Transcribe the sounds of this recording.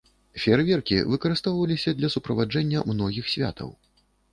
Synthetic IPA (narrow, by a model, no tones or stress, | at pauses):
fʲɛrvʲɛrkʲḭvɨkɐɾɨst̪ɔwvɐlʲisʲɐd̪lʲɐsupɾɐvad͡ʐɛnʲːɐmnɔɣʲixsʲvʲa̰t̪ʰɐ̰w